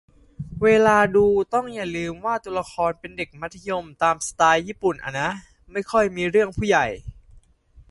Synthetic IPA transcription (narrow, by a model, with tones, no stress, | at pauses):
weː˧laː˧duː˧t̪ɔ˥˩ŋja˨˩lɯː˧mwaː˥˩t̪u˧la˧kʰɔː˧npe˧nde˨˩k̚ma˦˥t̪ʰːa˧jo˧mt̪aː˧msḁ˧t̪aː˧jːiː˥˩pu˨˩nʔa̰˧˩nːa˦˥ | ma˥˩jkʰɔ˥˩jmiː˧ɾɯ˥˩əŋpʰuː˥˩ja˨˩j